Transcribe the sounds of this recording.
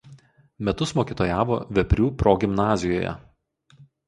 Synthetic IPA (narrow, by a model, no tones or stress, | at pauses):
mʲɛt̪ʊsmoːkʲiːt̪oːjaːʋo̰ʋʲɛpʲɾʲuːpɾoːɡʲɪmnɑːzʲɪjo̰ːjɛ̰